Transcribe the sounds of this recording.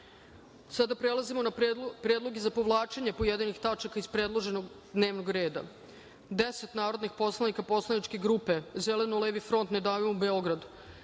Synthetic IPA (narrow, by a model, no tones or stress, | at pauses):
sad̪apɾelˠazimo̞napɾeːd̪lo̞ɡezapo̞ʋlˠaːt͡ʃeɲepojed̪enixt̪at͡ʃakaispɾed̪lˠo̞ʒe̞noɡ | d̪neːʋnoɡɾe̞ːd̪a̰ | d̪eset̪naːɾod̪nixpo̞slˠanikapo̞slˠanit͡ʃkeɡɾuːpe̞zele̞noleːʋifɾo̞nt̪ned̪aːʋimubeo̞ɡɾad̪u̥